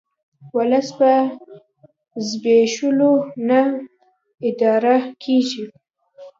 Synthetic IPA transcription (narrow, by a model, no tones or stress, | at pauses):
walasba | zbeʃulona | ɪd̪ɑɾakʰeʒi